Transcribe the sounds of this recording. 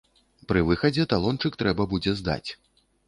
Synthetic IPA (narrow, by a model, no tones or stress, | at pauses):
pɾɨvɨxɐd͡zʲɛt̪alˠɔnt͡ʂɨkt̪ɾɛbɐbud͡zʲɛzd̪a̰t͡sʲ